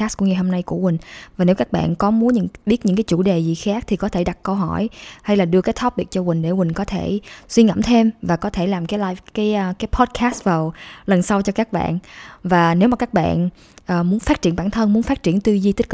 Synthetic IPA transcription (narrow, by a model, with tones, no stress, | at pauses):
aː˦˥skʊ̰˧˥ŋɨ˨˩jɦo˧mna˧jku˧˩əmï˨˩ŋ̟vaː˨˩ne˨˦wkaː˦˥k̚ɓa̰ː˧˨nkɔ˨˦mu˨˦ənɲɨ̰˧˥ŋɓi˦˥t̚ɲɨ̰˧˥ŋkaː˨˦jt͡ɕṵ˧˩ɗe˨˩zi˨˩xaː˦˥k̚t̪ʰi˨˩kɔ˨˦t̪ʰe˧˩ɗa˨˩t̚kə˧wɦɔ˧˩jha˧jlaː˨˩ɗɨ˧əkaː˨˦jt̪ʰɔ˦˥p̚ɓi˨˩ət̚t͡ɕɔ˧wï˨˩ŋ̟ɗe˧˩wï˨˩ŋ̟kɔ˨˦t̪ʰe˧˩swi˧ŋə̰˧˩mt̪ʰe˧mvaː˨˩kɔ˨˦t̪ʰe˧˩laː˨˩mkaː˨˦jlaː˧jvkaː˨˦jkaː˨˦jpʰɔ˦˥t̚kʰaː˦˥st̚vaː˨˩wlə˨˩nsa˧wt͡ɕɔ˧kaː˦˥k̚ɓa̰ː˧˨nvaː˨˩ne˨˦wmaː˨˩kaː˦˥k̚ɓa̰ː˧˨n | ʔəː˨˩mu˨˦ənfaː˦˥t̚t͡ɕi˧˩əmɓaː˧˩nt̪ʰə˧nmu˨˦ənfaː˦˥t̚t͡ɕi˧˩ənt̪wi˧zi˧t̪i̟˦˥k